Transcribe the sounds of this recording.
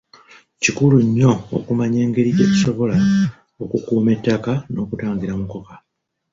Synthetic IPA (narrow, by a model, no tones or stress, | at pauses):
cikuluɲːo̞o̰kumaɲe̞ːŋɡe̞ɾiɟe̞ːci̥so̞βo̞la | okukuːme̞tːakano̞ːkutaːɲɡiɾamuko̞ka